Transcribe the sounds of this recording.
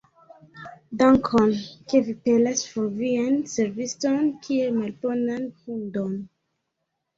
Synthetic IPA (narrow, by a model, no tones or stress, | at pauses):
daŋkʰonke̞vipe̞lasfoɾvianse̞ɾvisto̞nkʰiemalponankundon